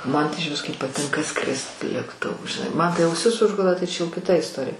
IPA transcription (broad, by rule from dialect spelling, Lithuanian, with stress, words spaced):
ˈmɐn tɐɪ ɪʒʲˈʋʲɪs kɐɪp pɐˈtʲɪŋkɐ ˈskrʲɪst lʲeːkˈtʊʋʊ ʒʲɪˈnɐɪ ˈmɐn tɐɪ ɐʊˈsʲɪs ˈʊʒɡʊlˠɐ tɐɪ t͡ʃʲɛ jɛʊ kʲɪˈtɐ ɪsˈtoːrʲɪjɛ